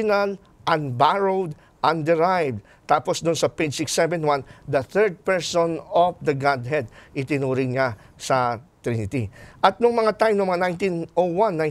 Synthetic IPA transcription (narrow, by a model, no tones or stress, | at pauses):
ʊnɐl | ʔɐnbaɹod̪ | ʔɐnd̪ɛɹajvd̪̚ | t̪aːposd̪ʊnsɐped͡ʒsɪksɛvɛ̃nwand̪ɐθɛɹd̪̚pɛɹsonɔfd̪ɐɡad̪̚ɦɛd̪̚ʔɪt̪ɪnuːɾɪŋɲa | sɐt̪ɾinɪt̪iʔɐt̪̚nʊŋmɐŋat̪ajmnʊmɐŋanajnt̪inʔowãnːaj